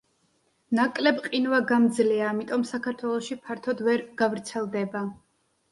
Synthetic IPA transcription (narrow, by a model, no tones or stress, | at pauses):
nakʼlɛbqʼinvaɡamd̪zliaːmit̪ʼɔmsakʰaɾt̪ʰwɛlˠɔʃipʰaɾt̪ʰɔd̪vɛɾɡ̥avɾt̪sʰɛlˠd̪ɛba